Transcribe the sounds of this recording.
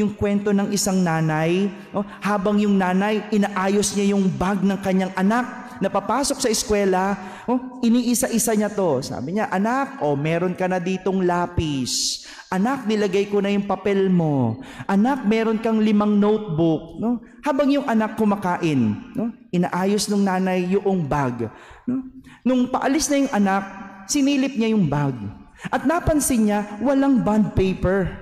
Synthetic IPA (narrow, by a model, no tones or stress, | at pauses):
jʊŋkwɛnt̪o̞nɐŋʔɪsaŋnaːnɐj | no | haːbɐŋjʊŋnaːnɐjʔɪnaʔaːjo̞sɲajʊŋbaɡ̚nɐŋkɐɲaŋʔɐnak̚ | nɐpɐpaːso̞k̚sɐʔɪskwɛːlɐ | ʔoʔɪniːʔɪsaʔɪsaɲɐt̪o̞sa̰ːbɪɲaʔɐnak̚o̞mɛːɾo̞nkɐnɐd̪iːt̪o̞ŋlaːpɪs | ʔɐnak̚nɪlɐɡajkonɐjʊŋpɐpɛlmo̞ʔɐnak̚mɛːɾo̞nkɐŋlɪmaŋnowt̪̚bʊk̚no̞ | haːbɐŋjʊŋʔɐnakːʊmakaːʔɪnːo̞ʔɪnaːʔaːjo̞snʊŋnaːnɐjːʊʔoŋbaɡno̞nʊŋpɐʔɐlɪsnɐjʊŋʔɐnak̚sɪniːlɪp̚ɲajʊŋbaɡ̚ | ʔɐt̪̚napɐnsɪnɲawɐlaŋband̪̚pɛjpɛɹ